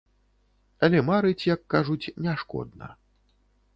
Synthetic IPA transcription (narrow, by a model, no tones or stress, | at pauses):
ɐlʲɛmaɾɨt͡sʲjakːaʐut͡sʲnʲaʂkɔ̰d̪nɐ̰